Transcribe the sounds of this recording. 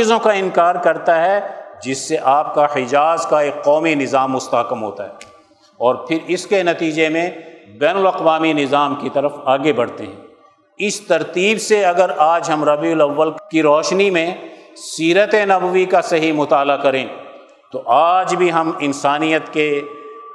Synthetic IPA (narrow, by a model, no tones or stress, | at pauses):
izõkaɪnkaːɾkɐɾt̪aɦɛd͡ʒɪsːeʔaːp̚kahɪd͡ʒaːzkaeːkːɔːminɪzaːmːʊst̪aːkəmɦo̰ːt̪aɦɛː | ɔːɾpʰɪɾɪskenɐt̪iːd͡ʒemẽbɛːnʊlɐqʋaːminɪzaːmkit̪ɐɾəfaːɡebɐɽ̤t̪eɦɛ̃ː | ɪst̪ɐɾt̪iːbseɐɡəɾaːd͡ʒɦɐmɾɐbiʊlɐʋːəlkiɾɔːʃnimẽsiːɾət̪enɐbəʋikasɐɦimʊt̪aːlakɐɾẽː | t̪oʔaːd͡ʒbʱiɦɐmɪnsaːnijət̪ke